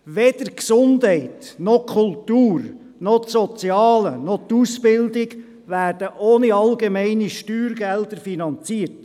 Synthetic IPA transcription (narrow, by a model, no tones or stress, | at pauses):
ʋɛd̪̥əɾksʊndɦɛɪtnɔkʰʊlt̪uːɾ | nɔtsɔt͡sjɑːlənɔt̪usb̥ɪld̪ɪɡ | ʋæːrd̥əʔoːniɑlɡemɛɪniʃtyːɾɡɛld̪əɾfinɑnt͡siːət